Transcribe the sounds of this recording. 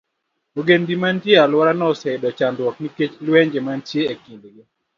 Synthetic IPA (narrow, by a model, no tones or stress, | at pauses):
oɡendimantjealwɔɾanɔsɛdɔt͡ʃandwɔkniket͡ʃlweɲd͡ʒemantjeekindɡɪ